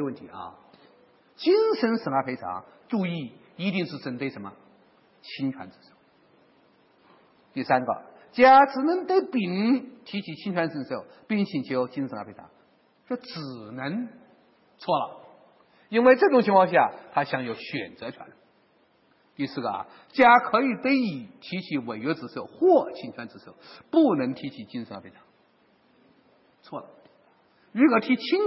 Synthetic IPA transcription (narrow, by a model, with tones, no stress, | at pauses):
wə˥˩nt̪ʰi˧˥ʔɐ̰˧˩ | t͡ɕi˥nʂə˧˥nʂə˧˥ŋa˧˥˩pʰe˧˥ɪʈ͡ʂʰɑ̰˧˥ŋʈ͡ʂu˥˧i˥˩ | i˧˥t̪i˥˧ŋʂɻ̩˥˩t͡sə˧˩nt̪we˥˩ɪʂə˧˥nmə˧˩ | t͡ɕʰi˥nʈ͡ʂʰwa̰˧˥nt͡sə˥˩nʂo˥˩ʊ | t̪i˥˩sa˥nɡə̰˨˩t͡ɕja˥˩ʈ͡ʂɻ̩˨˩nə˧˥ŋt̪ə˥˩pi˨˩nt̪ʰi˧˥t͡ɕʰi˧˥t͡ɕʰi˥nʈ͡ʂʰwa˧˥nt͡sə˧˥nʂo˥˩ʊpi˥˩ŋt͡ɕʰi˨˩nt͡ɕʰjo˧˥ʊt͡ɕʰi˥nsŋa˧˥pʰe˧˥ɪʈ͡ʂʰɑ̰˧˥ŋ | ʂwɔ˥ʈ͡ʂɻ̩˨˩nə˧˥ŋ | t͡sʰwɔ˥˩lə̰˨˩ | i˥nwe˥˧ɪʈ͡ʂɤ˥˩ʈ͡ʂʊ˨˩ŋt͡ɕʰi˧˥ŋkʰwɑ˥˧ŋɕ̬ja˥˩t̪ʰa˥ɕjɑ˧˥ŋjo˧˥ʊɕɥɛ̰˨˩nt͡sɤ˧˥ʈ͡ʂʰwa̰˧˥n | t̪i˥˧sɹ̩˥˩ɡə˧ɐ̰˨˩ | t͡ɕja˥kʰɤ˧˥i˨˩t̪e˥ɪi˨˩t̪ʰi˧˥t͡ɕʰi˧˥we˨˩ɪɥɛ˧˥t͡sɹ̩˧˩so˥˧˩ʊxwɔ˥˩t͡ɕʰi˥nt͡ɕʰwa˧˥nt͡sɹ̩˧˩so˥˩ʊpu˥˩nə˧˥ŋt̪ʰi˧˥t͡ɕʰi˨˩t͡ɕi˥nsa˧˩pʰi˧˩t̪ʰŋ | t͡sʰwɔ˥˩lə̰˩ | ɻu˧˥kɔ˨˩t̪ʰi˧˥t͡ɕʰi˥n